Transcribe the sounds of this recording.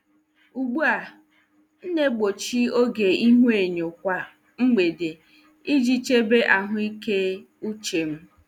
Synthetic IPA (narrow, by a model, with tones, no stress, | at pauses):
u˨ɡ͡bu˦a˨ | n̩˦ne˦ɡ͡bo˨t͡ʃi˦o˦ɡe˨i˦ɦʷe˨ɲo˨kʷa˦ | ŋ͡m̩˦ɡ͡be˨de˨ | i˦d͡ʒi˦t͡ʃe˦be˦ʔa˨ɦʊ˦i˦ke˦ | u˦t͡ʃe˨m̩˦